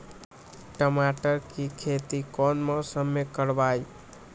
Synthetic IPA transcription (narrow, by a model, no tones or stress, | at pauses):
ʈəmaʈəɾkikʰet̪ikɔnməsəmːekəɾbaj